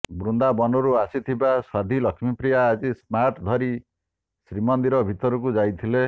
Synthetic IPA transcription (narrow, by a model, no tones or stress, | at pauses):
bɾund̪abɔnɔɾuasit̪ʰibaswad̪ʱilʌkʰmipɾijaːd͡zismaʈd̪ʱɔɾi | sɾimɔnd̪iɾɔbʱit̪ɔɾɔk̬ud͡zajt̪ʰile